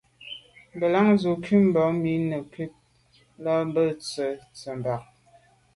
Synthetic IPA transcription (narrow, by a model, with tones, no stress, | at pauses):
bə˨la˦ŋzo˨kʰi˦m̩bɔ˨˦mi˨˦nə˨ki˦p̚ | la˦bə˦˨t͡sə˨t͡sə˨mba˨k̚